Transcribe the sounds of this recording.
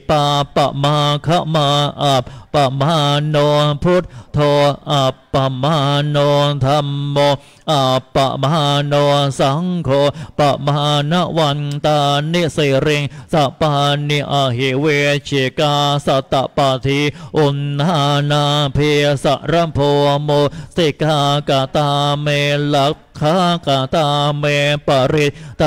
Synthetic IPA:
pa˧pːa̰˨ʔma˧kʰa˦˧˥ʔma˧ʔa˨p̚pːa˨ʔma˧noː˧pʰu˦˥t̪̚t̪ʰo˧ʔa˨˩pːa˧ma˧noː˧t̪ʰa˧mːo˧ | ʔa˨˩pːa̰˨ʔma˧noː˧sa˧˦ŋkʰo˧pa˨˩ʔma˧na˦˥wa˧nt̪a˧ni˧˥ʔsi˧ɾi˧ŋsa˧˩ʔpa˧ni˧ʔa˧ɦi˧˩we˧t͡ɕʰi˧˩kaː˧sa˧t̪a˧˨ʔpa˧t̪ʰi˧ʔu˧nːa˧˥na˧pʰi˧sa̰˧˨ʔɾa˧˥pʰoː˧mo˧si˧ka˧ka˨˧t̪a˧me˧la˦t̚ | kʰːa˦˥ka˨˩t̪a˧me˧pa˧ɾi˧t̪̚t̪

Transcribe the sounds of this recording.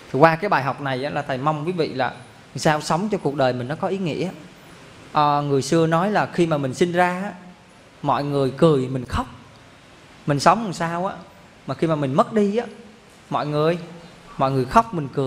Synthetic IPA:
t̪ʰi˨˩kwaː˧kaː˨˦jɓaː˨˩jɦa˨˩wk͡p̚na˨˩jʔaː˨˦laː˨˩t̪ʰə˨˩jma˧wŋ͡mki˨˦vḭ˧˨laː˨˩˨ | saː˧wsə˨˦wŋ͡mt͡ɕɔ˧ku˨˩ək̚ɗəː˨˩jmï˨˩ŋ̟nɔ˨˦kɔ˨˦ʔi˨˦ŋḭ˧˥əʔa˧˦ | ʔəː˨˩ŋɨ˨˩əjsɨ˧ənɔ˨˦jlaː˨˩xi˧maː˨˩mï˨˩ŋ̟si˧nzaː˧ʔaː˧˦˥ | mɔ̰˧˨jŋɨ˨˩əjkɨ˨˩əjmï˨˩ŋ̟xa˦˥wk͡p̚ | mï˨˩ŋ̟sə˨˦wŋ͡mha˨˩saː˧wʔaː˨˧˥ | maː˨˩xi˧maː˨˩mï˨˩ŋ̟mə˦˥t̚ɗi˧ʔaː˨˦˥ | mɔ̰˧˨jŋɨ˨˩əj | mɔ̰˧˨jŋɨ˨˩əjxa˦˥wk͡p̚mï˨˩ŋ̟kɨ˨˩əj

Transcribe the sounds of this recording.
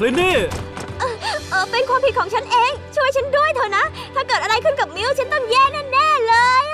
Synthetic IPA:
li˨˦ne˧˩ʔəː˨˩ʔəː˧˩ɓe˧nkwaː˧˩t̪ʰi˨˩kxɔ˧˩ŋt͡ɕa˧˦ŋʔe˧˥t͡ɕu˧˨jt͡ɕe˨˦nɗu˧əjt̪ʰo˨˧˩jna˨˦ | t̪ʰaː˧kəː˨˩t̚əː˧˩a˧jxɨ˧˦ŋkə˨˩p̚mi˨˧˦əwt͡ɕe˧˦nt̪ə˧mze˧˩ne˧nɗe˧˥˩ləː˨˩j

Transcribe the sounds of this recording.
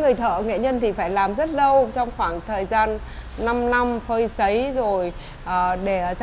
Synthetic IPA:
ŋɨ˨˩əjt̪ʰə̰ː˧˨ŋḛ˧˨ɲə˧nt̪ʰi˨˩faː˧˩jlaː˨˩mzə˦˥t̚ɗə˧wt͡ɕɔ˧wŋ͡mxwaː˧˩ŋt̪ʰəː˨˩jzaː˧nː | a˧mna˧mfəː˧jsə˨˦jzo˨˩j | ʔəː˨˩ɗe˧˩

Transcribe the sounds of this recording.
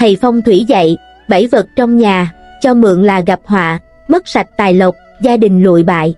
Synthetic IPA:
hə˨˩jfa˧wŋ͡mt̪ʰwi˧˩˦zə̰˧˨j | ɓə˧˩jvə˨˩t̚t͡ɕɔ˧wŋ͡mɲaː˨˩t͡ɕɔ˧mɨ̰˧˨əŋlaː˨˩ɣa˨˩p̚hwa̰ː˧˨ | mə˦˥t̚sa˨˩jk̚t̪aː˨˩jlə˨˩wk͡p̚ | zaː˧ɗï˨˩ŋ̟lṵ˧˨əjɓa̰ː˧˨j

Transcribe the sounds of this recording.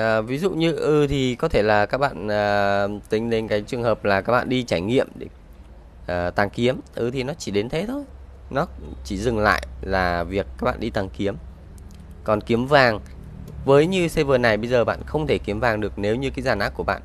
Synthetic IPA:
ʔəː˨˩vi˨˦zṵ˧˨ɲɨ˧ʔɨ˧˩t̪ʰi˨˩kɔ˨˦t̪ʰe˧˩laː˨˩kaː˦˥k̚ɓa̰ː˧˨nəː˨˩t̪ï˨˧ŋ̟ɗe˨˦nkaː˨˦jt͡ɕɨ˨˩əŋhəː˨˩p̚laː˨˩kaː˦˥k̚ɓa̰ː˧˨ɗi˧t͡ɕaː˧˩jŋḭ˧˨əmɗe˧˩ | ʔəː˨˩t̪aː˨˩ŋki˨˦əmʔɨ˧˩t̪ʰi˨˩nɔ˨˦t͡ɕi˧˩ɗe˨˦nt̪ʰe˨˦t̪ʰo˧j | nɔ˨˦t͡ɕi˧˩zɨ˨˩ŋla̰ː˧˨jlaː˨˩vi˨˩ək̚ːaː˦˥k̚ɓa̰ː˧˨ɗi˧t̪a˨˩ŋki˨˦əm | kɔ˨˩nki˨˦əmvaː˨˩ŋ | vəː˨˦jɲɨ˧se˧vəː˨˩na˨˩jɓə˧jzəː˨˩ɓa̰ː˧˨nxə˧wŋ͡mt̪ʰe˧˩ki˨˦əmvaː˨˩ŋɗɨ˨˩ək̚ne˨˦wɲɨ˧kaː˨˦jzaː˨˩nʔaː˦˥ku˧˩əɓa̰ː˧˨ʔ

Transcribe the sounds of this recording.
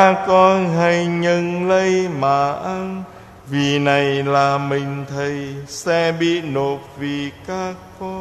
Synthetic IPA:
a˧kɔ˧nha˧jɲə˧nlə˧jmaː˨˩ʔa˧n | vi˨˩na˨˩jlaː˨˩mï˨˩ŋ̟t̪ʰə˨˩jsɛ˧ɓḭ˧˨no˨˩p̚vi˨˩kaː˧˦˥kːɔ˧

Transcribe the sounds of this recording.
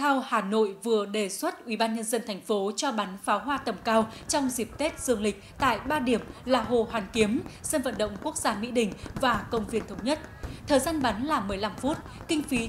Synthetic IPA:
t̪ʰa˧whaː˨˩no̰˧˨jvɨ˨˩əɗe˨˩swə˦˥t̚ʔwi˧˩ɓaː˧nɲə˧nzə˧nt̪ʰɛ˨˩jŋ̟fo˨˦t͡ɕɔ˧ɓa˨˦nfaː˨˦wɦwaː˧t̪ə˨˩mkaː˧wt͡ɕɔ˧wŋ͡mzi˨˩p̚t̪e˦˥t̚z̥ɨ˧˩əŋlï˨˩k̟̚t̪a̰ː˧˨jɓaː˧ɗi˨˩əmlaː˨˩ɦo˨˩hwaː˨˩nki˨˦əmse˧nvə̰˧˨nɗə̰˧˨wŋ͡mku˦˥ək̚zaː˧mḭ˧˥ɗï˨˩ŋ̟vaː˨˩kə˧wŋ͡mvi˧ənt̪ʰə˨˦wŋ͡mɲə˦˥t̚t̪ʰəː˨˩jzaː˧nɓa˨˦nlaː˨˩mɨ˨˩əjla˧mfu˦˥t̚kï˧ŋ̟fi˨˦

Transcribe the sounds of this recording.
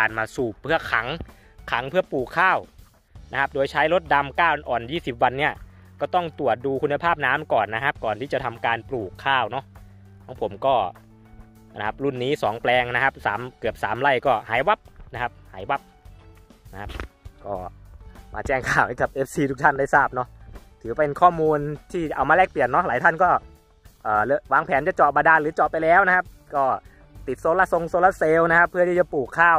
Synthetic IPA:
kaː˧nmaː˧suː˨˩pʰːɯ˥˩ɐkʰa˩˦ŋ | kʰa˨˩˦ŋpʰɯ˥˩ɐpuː˨˩kʰːaː˥˩w | na˦˥kʰa˦˥p̚doː˧jt͡ɕʰa˦˥jlo˦˥t̪̚da˧mkaː˥˩wʔɔː˨˩njiː˥˩si˨˩p̚wa˧nːi˥˩ɐkɔː˥˩t̪ɔ˥˩ŋt̪u˨˩ət̪̚duː˧kʰu˧nːa˧pʰaː˥˩p̚naː˦˥mkɔː˨˩nːa˦˥kʰa˦˥p̚kɔː˨˩nt̪ʰiː˥˩t͡ɕa˨˩t̪ʰa˧mkaː˧npluː˨˩kʰːaː˥˩wnɔ˦˥ | kʰɔ˨˦˥ŋpʰo˩˦mkɔː˥˩ | na˦˥kʰa˦˥p̚ɾu˥˩nːiː˦˥sɔː˩˦ŋplɛː˧ŋna˦˥kʰa˦˥p̚saː˩˦mkɯ˨˩əp̚saː˩˦mla˧˥˩jkɔː˥˩ɦaː˩˦jwa˦˥p̚na˦˥kʰa˦˥p̚haː˩˦jwa˦˥p̚ | na˦˥kʰa˦˥p̚kɔː˥˩ma̰ː˧t͡ɕɛː˥˩ŋkʰaː˥˩wha˧˦˩jka˨˩p̚ʔeː˦˥p̚siː˧t̪ʰu˦˥kt̪ʰa˥˩nda˥˩jsaː˥˩p̚nɔ˦˥t̪ʰɯː˩˦pe˧nkʰɔː˥˩muː˧nt̪ʰiː˥˩t͡ɕa˨ʔa˧wmaː˧lɛː˥˩k̚pli˨˩ənːɔ˦˥laː˨˦t̪ʰa˥˩nkɔː˥˩ | ʔɤː˨˩lɤ˧˩waː˧ŋpʰɛː˩˦nt͡ɕa˨˩t͡ɕɔː˨˩maː˧daː˧lɯː˩˦t͡ɕɔː˨˩p̚pa˧jlɛː˦˥wna˦˥kʰa˦˥p̚ | kɔː˥˩ | t̪i˨˩t̪̚so˧˥la˧˥so˧ŋsoː˧˥la˧˥seː˧wna˦˥kʰa˦˥pʰːɯ˥˩t̪ʰiː˥˩t͡ɕa˨˩puː˨˩kʰːaː˥˩w

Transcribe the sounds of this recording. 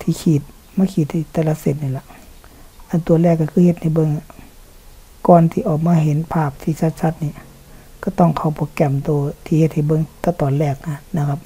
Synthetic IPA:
t̪ʰiː˧˦kʰiː˧˩t̪̚ | maː˧˨kʰiː˧˩t̪̚hi˧˩˨t̪ːɛː˧˨la˧se˧˩t̪̚niː˧˨la˧˦ʔ | ʔa˨nt̪u˧˨ɐlɛː˧˩kːa˧kʰɯː˧he˧t̪̚ha˧˩jbɤ˧˨ŋ˧ | kɔː˨nt̪ʰiː˧ʔɔː˨˩k̚maː˧˨ɦe˧˦npʰaː˧˩p̚t̪ʰiː˧˨sa˧t̪̚sa˧˦t̪̚niː˧˨ | ka˧˩t̪ɔ˧˨ŋkʰa˧˩wpʰɔː˧˦ka˧˩mt̪oː˧˦t̪ʰiː˧he˧t̪̚ha˧˩jbɤ˧˨ŋt̪ɔː˧˦t̪ɔː˨nlɛː˧˩k̚na˧na˧kʰa˧˥p̚

